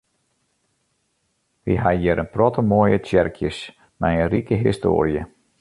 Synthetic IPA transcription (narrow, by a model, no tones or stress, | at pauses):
ʋḭɦajɪɾənprɔtəmoːjətjɛrkʰjəs | majənrikəɦisto̰ːɾjə